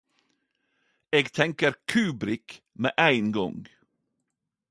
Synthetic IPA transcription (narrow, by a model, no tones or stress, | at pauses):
eːɡt̪ʰɛŋkəɾkʰʉːbɾɪk | mḛːʔæɪnɡɔ̰ŋɡ